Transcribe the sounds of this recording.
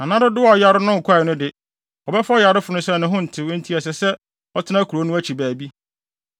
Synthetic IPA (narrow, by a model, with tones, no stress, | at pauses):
nã˨nã˦dɪ˦dɪ˦wɔ˨ja˦ɾɪ˦nʊ̃˦ŋ̩˨kʰʷa˦˨nʊ̃˦dɪ˨ | ɔ˨bɛ˦fɔ˦ja˨ɾɪ˦fʊ˨nʊ̃˦sɛ˦˨nʊ̃˦ɦʊ̃˦n̩˨tʰɪ˨wʊ̃˦n̩˦tʰi˦ɛ˨s̬ɛ˨sɛ˦ | ɔ˦tʰɪ˦nã˦kʰu˨ɾo˨˦nʊ̃˦æ˦t͡ɕʰi˨bæː˨bi˦